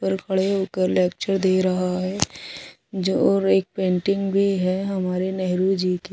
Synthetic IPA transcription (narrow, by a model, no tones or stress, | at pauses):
pəɾkʰɐɽeɦoːkəɾlɛːk̚t͡ʃəɾd̪eːɾɐɦaɦɛ | d͡ʒoɔːɾeːk̚pẽːɳʈɪ̃ŋɡbʱiɦɛɦɐmaːɾenɛɦɾud͡ʒiːke